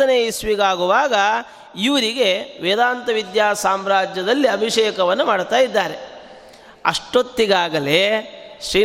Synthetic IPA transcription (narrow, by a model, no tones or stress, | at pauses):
ɐneisʋiɡaːɡuʋaːɡɐ | iʋɐɾiɡe̞ʋeːd̪aːnt̪ɐʋid̪jaːsaːmɾaːd͡ʒjɐd̪ɐlːiɐbʱiʂɛːkɐʋɐnːumaːɽt̪aːjid̪ːaːɾe̞ | ɐ̰ʂʈot̪ːiɡaːɡɐle̞ʃɾiː